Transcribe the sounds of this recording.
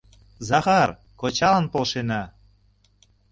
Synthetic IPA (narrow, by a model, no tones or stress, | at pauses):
zɑxɑr | kot͡ɕɑlənpolʃenɑ